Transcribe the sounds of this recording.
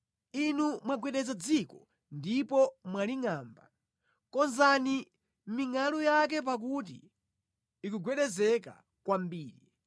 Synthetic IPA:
inumwaɡwɛɗɛzad͡zikɔ | ndipɔmwaliŋaːmba | kɔnzani | m̩miŋalujak̬ɛp̬ak̬ut̬ḭː | kuɡwɛɗɛzɛka̰ | kwambiːɾi

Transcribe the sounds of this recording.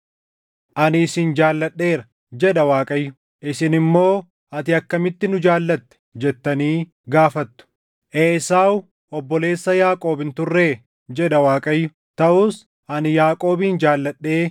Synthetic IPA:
ʔɐnɪːsɪnd͡ʒaːlːɐɗːe̞ːɾɐ̥ | d͡ʒɛᶑɐwaːkʼɐjːʊ | ʔɪsɪnɪmːo̞ː | ɐt̪ɪɐkːɐmɪt̪ːɪnʊd͡ʒaːlːɐt̪ːɛ̥d͡ʒɛt̪ːɐniː | ɡaːfɐt̪ːʊ̥ | ʔeːsaːw | ɔbːɔle̞ːsːɐjaːkʼo̞ːbɪnt̪ʊrːe̞ː | d͡ʒɛᶑɐwaːkʼɐjːʊ | t̪ɐʔʊːs | ʔɐnjaːkʼo̞ːbiːnd͡ʒaːlːɐɗːe̞ː

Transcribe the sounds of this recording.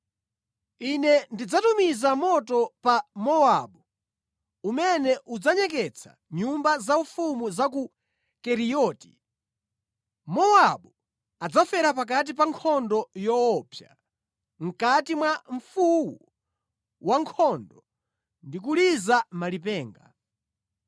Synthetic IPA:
inɛndid͡zatumizamɔtɔpamɔaɓu | umɛnɛʔud͡zaɲɛkɛt͡sʰa̰ | ɲumbazaufumuzak̬u | kɛɾiɔːti̥ | mɔaɓu | ad͡zafɛɾap̬ak̬at̬ipaŋkʰɔndɔjɔɔːpʰja | ŋ̩katimwaɱ̩fuwu | waŋkʰɔndɔ | ndik̬ulizamalipɛːŋɡa̰

